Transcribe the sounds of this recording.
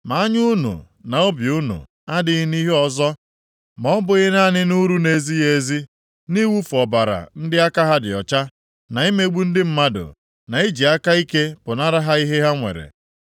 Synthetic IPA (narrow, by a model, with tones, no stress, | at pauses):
ma˨˦a˦ɲu˦nṵ˨ | na˨o˦bju˦nṵ˨ | a˦dɪ˦ɣɪ˦ni˦ɦe˦ɔ˨zɔ˦ | mɔ˨˦bʊ˨ɣɪ˦na˦nɪ˦nu˦ɾu˦ne˨zi˦je˨zi˦ | ni˦wu˦fɔ˨ba˨ɾa̰˨n̩˦dɪ˦a˦ka˦ɦa˦dɪ̰˨ɔ̰˨t͡ʃa˦ | na˨i˦me˦ɡ͡bu˦n̩˦dɪ˦m̩˦ma˦dʊ̰˨ | na˨i˦d͡ʒi˨a˦ka˦i˦ke˦pʊ˨na˦ɾa˦ɦa˦i˦ɦe˦ɦa˦ŋʷḛ˨ɾḛ˨